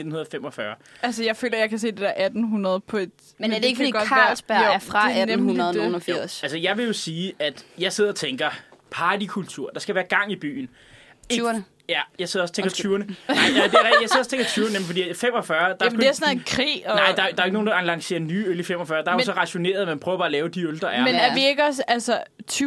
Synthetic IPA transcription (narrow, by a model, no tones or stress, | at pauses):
ned̥n̩hunɐð̩ˠfem̰ɒfɶɐ | ælsəjɑ̈ɪfø̰ːlɐjɑ̈ɪkʰæs̬e̝̰ːd̥e̝d̥ḛɐʔæd̥n̩ɦunɐðˠpʰɒ̽e̝d̥ | mdeeɡəfdḭ̥ːɒ̥kʰɑlsb̥oɐfʁɑædunɐðˠunfiɐ̰sælsəjɑ̈ɪʋe̝jo̝siːʔæd̥jɑ̈ɪse̝ð̞̰ˠɒ̽t͡sʰeŋɡ̥ɐpʰɑ̈ːd̥ikʰult͡sʰuɐ̰d̥ɑ̈sɡ̥æʋæːɐɡ̥ɑ̈ŋ̰ib̥y̰ːn̩ | e | jæjɑɪseðˠɒst͡sʰeŋɡ̥ɐɐ̥t͡sʰyːɐnəɑ̈ɪæd̥eʁɛijɑɪsð̰ˠst͡sʰeŋɡ̥ɐt͡sʰyːɐnəemfɒ̥̽ḭːfem̰ɒ̽fɶɐd̥ɑdeæsnekʰʁḭːɒnɑ̈ɪ̥ɑ̈æjd̥ɑ̈ɐeɡ̥no̝ːnd̥ɑlɑ̈ŋse̝̰ːɐnyːølifem̰ɒfɶɐd̥ɑ̈æɐosɒ̽ʁɑ̈ɕo̝ne̝̰ːɐð̩ˠmænpʰʁœːʊɐb̥ɑ̈ːlɛːʊd̥iøld̥ʁɐæɐmenæʋeeɡ̥əɒsælsət͡sʰː